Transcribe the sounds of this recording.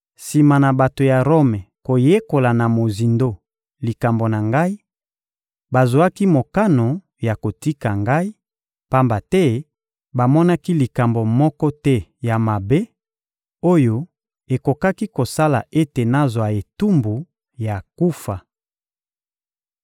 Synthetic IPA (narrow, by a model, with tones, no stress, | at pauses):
si˨ma˨na˨ba˨to˨ja˨ʁo˦mɛ˨ko˨je˦ko˨la˨na˨mo˨zi˨ndo˦ | li˨ka˨mbo˨na˨ŋɡa˦i˦ | ba˨zo˨a˦ki˦mo˨ka˦no˨ | ja˨ko˨ti˦ka˨ŋɡa˦i˦ | pa˦mba˨tɛ˦ | ba˨mɔ˦na˦ki˦li˨ka˨mbo˨mɔ˦kɔ˦tɛ˦ja˨ma˨be˦ | o˦jo˦ | e˨ko˨ka˦ki˦ko˨sa˦la̰˨ʔe˦te˨na˦zwa˨e˨tu˦mbu˨ | ja˨ku˦fa˨